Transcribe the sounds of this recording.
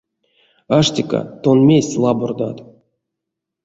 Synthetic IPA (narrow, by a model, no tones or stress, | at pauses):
aʂtʲika̰t̪onmʲesʲlˠabord̪at̪